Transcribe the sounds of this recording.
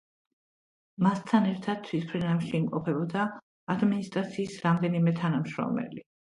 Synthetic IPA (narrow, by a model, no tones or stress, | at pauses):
mast̪ʰanɛɾt̪ʰad̪̥̚t̪sʰwispʰɾɛnafʃiːmqʼɔpʰɛbɔd̪aː | d̪minist̪ʼɾat̪sʰiːsɾamd̪ɛnimɛt̪ʰanamʃɾɔ̰mɛ̰li